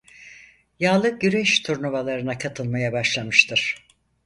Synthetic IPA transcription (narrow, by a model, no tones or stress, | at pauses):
jaːlˠɯɟyɾɛʃt̪ʰuɾnuvalˠaɾɯnakʰat̪ʰɯlˠmajabaʃlˠamɯʃt̪ʰɯɾ̥